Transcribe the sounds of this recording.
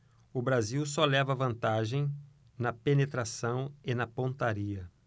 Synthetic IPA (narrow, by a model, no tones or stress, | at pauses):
ʊbɾaziwsɔlɛvɐvɐ̃nt̪aʒẽj̃ | nɐpenet̪ɾasɐ̃w̃ɪnɐpõt̪aɾiɐ